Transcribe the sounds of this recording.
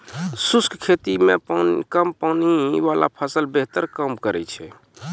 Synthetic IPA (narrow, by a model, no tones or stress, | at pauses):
suskkʰet̪imekəmpawniʋala̰pʰəsəlbeɦt̪əɾkəmkəɾɛ̰t͡ʃʰɛ